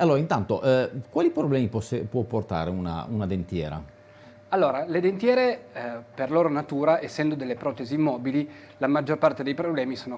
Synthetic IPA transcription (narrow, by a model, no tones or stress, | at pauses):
alːoːɾaint̪ant̪oʔɛkwaːlipɾoblɛːmipɔsepwɔpːort̪a̰ːɾeuna̰unad̪ent̪jɛːɾa̰ | alːoːɾaled̪ent̪jɛːɾeperloːɾonat̪uːɾaʔesːɛnd̪od̪elːepɾɔːt̪eziːmːɔːbili | lamad͡ʒːorpart̪ed̪ejpɾoblɛːmisoːno